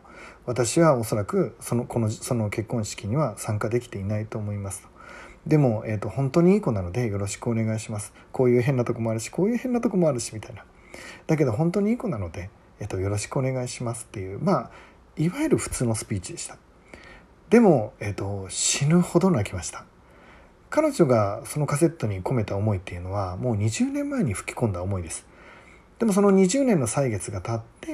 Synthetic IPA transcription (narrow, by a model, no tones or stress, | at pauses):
βat̪aɕiβaoso̞ɾakɯ̟so̞noko̞no̞so̞no̞ke̞kːõ̞ɰ̃ɕi̥kʲiɲ̟iβasãŋkad̪e̞kʲt̪e̞inait̪o̞ːmo̞imasɨ̥t̪o̥d̪e̞mo̞eːt̪ːo̞hõ̞nt̪o̞ɲ̟iiːko̞nano̞d̪e̞jo̞ɾo̞ɕi̥kɯo̞ne̞ɡaiɕimasɨ̥ | ko̞ːjɯ̟ːɦe̞nːat̪o̞ko̞mo̞aɾɯ̟ɕi̥ko̞ːjɯ̟he̞nːat̪o̞ko̞moaɾɯɕimʲit̪aina | d̪̥ak̬e̞d̪o̞ɦõnt̪o̞ɲ̟iiːko̞nano̞d̪e̞ | et̪ːojo̞ɾo̞ɕi̥kɯo̞ne̞ɡaiɕimasɨ̥t̪ːe̞jɯ̟ːmaː | iβajeɾɯ̟ɸɯ̟̥t͡sɨːno̞sɨ̥pʲiːt͡ɕid̪e̞ɕi̥t̪ḁ | d̪̥e̞mo̞et̪ːo̞ɕinɯ̟ho̞d̪o̞nakʲimaɕi̥t̪ḁ | kano̞ʑo̞ɡaso̞no̞kase̞t̪ːo̞ɲ̟iko̞me̞t̪aomo̞it̪ːe̞jɯ̟no̞βamo̞ːɲ̟iʑɨːnẽ̞mːae̞ɲ̟iɸɯ̟̥kʲi̥kõ̞nd̪aomo̞id̪e̞sɨ̥ | d̪̥e̞mo̞s̬o̞no̞ɲ̟iʑɨːnẽ̞nːo̞saiɡe̞t͡sɨɡat̪at̪ːe̞